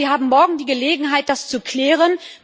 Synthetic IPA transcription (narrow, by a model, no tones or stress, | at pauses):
iːɦaːbm̩mɔɐɡŋ̩diːɡəleːɡŋ̩ɦaɪt̚d̥ast͡sukʰl̥ɛːʁ̞ən